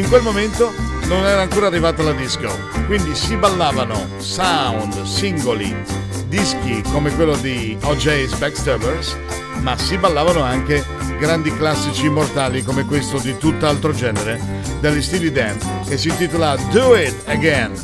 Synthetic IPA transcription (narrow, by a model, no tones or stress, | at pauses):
iŋkwelmoment̪ononɛːɾaːŋkoːɾarːivaːt̪alad̪iskjo | kwind̪isibalːaːvano | sawnd̪siŋɡolḭ | d̪isk̟ikomekwelːod̪iɔd͡ʒejsbakst̪ɛbeɾs | masibalːaːvanoaŋke | ɡɾand̪iklasːit͡ʃimːort̪aːlikomekwest̪od̪it̪ut̪ːalt̪ɾod͡ʒɛːneɾe | d̪elːist̪ilid̪ɛn | esːint̪it̪olad̪uɪt̪əɡɛn